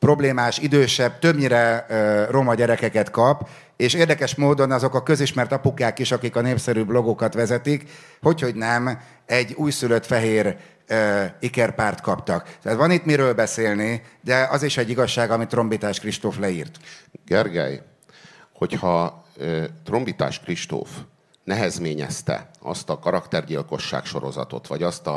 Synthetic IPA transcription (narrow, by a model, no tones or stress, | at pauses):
pro̞bleːmaːʃid̪øːʃɛb̚t̪øbɲiɾɛro̞mɒɟɛɾɛkɛkɛt̪kɒp | eːʃeːrd̪ɛkɛʃmoːd̪o̞nɒzo̞kɒkøziʃmɛrt̪ɒpukaːkiʃɒkikɒneːpsɛɾyblo̞ɡokɒt̪ʋɛzɛt̪ikho̞cho̞ɟnɛm | ɛɟːuːjsyløt̪fɛɦeːɾ | øikɛrpaːrt̪kɒpt̪ɒkt̪ɛat̪ʋɒnit̪miɾøːlbɛseːlnid̪ɛɒziʃɛɟːiɡɒʃːaːɡɒmit̪ro̞mbit̪aːʃkriʃt̪oːflɛiːrt̪ɡɛrɡɛ̰j | ho̞chɒ | t̪ro̞mbit̪a̰ːʃkriʃt̪o̰ːf | nɛɦɛzmeːɲɛ̰st̪ɛ̰ɒ̰st̪ɒkɒɾɒkt̪ɛrɟilko̞ʃːa̰ːkʃo̞ɾo̞̰zɒ̰t̪o̞̰t̪ʋɒɟɒst̪ɒ